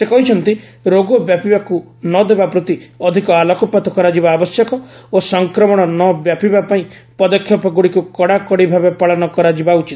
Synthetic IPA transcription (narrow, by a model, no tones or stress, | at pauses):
sekɔɦit͡ʃʰɔnt̪i | ɾoɡɔbjapibaku | nɔd̪ebapɾɔt̪iɔd̪ʱikɔalɔkɔpat̪ɔkɔɾad͡ʒibaːbɔsjɔkɔosɔŋkɾɔmɔɽ̃ɔnɔbjapibapaĩ | pɔd̪ɔkʰjɔpɔɡuɽikukɔɽakɔɽibʱabepaɭɔnɔkɔɾad͡ʒibaut͡ʃit̪